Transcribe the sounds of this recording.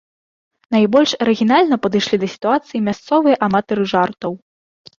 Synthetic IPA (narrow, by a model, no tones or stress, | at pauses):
najbɔlʲʂɐɾɛɣʲinalʲnɐpɐd̪ɨjʂlʲid̪ɐsʲi̥t̪uat̪sɨjimʲast̪sɔvɨjɐʔɐmat̪ɐɾɨʐart̪ɐw